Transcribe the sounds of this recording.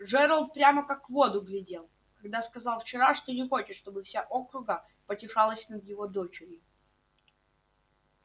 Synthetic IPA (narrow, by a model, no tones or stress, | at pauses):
ʐɛɾəlˠt̪̚pɾʲaməkakːvo̞d̪ʊɡlʲɪdʲe̞lˠ | kɐɡd̪askɐzɑlˠft͡ɕɪɾaʂt̪onʲɪxo̞t͡ɕɪʂʂt̪o̞bɨfsʲaʔo̞kɾʊɡə | pətʲɪʂalˠəsʲnəd̪jɪvo̞d̪ot͡ɕɪɾʲɪ